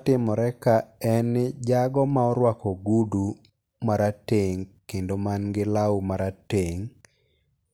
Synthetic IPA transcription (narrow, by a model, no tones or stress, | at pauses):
tɪmɔɾɛkaɛnd͡ʒaɡɔmaɔɾwakɔɡudu | maɾateŋkendomanɡɪlaumaɾateŋ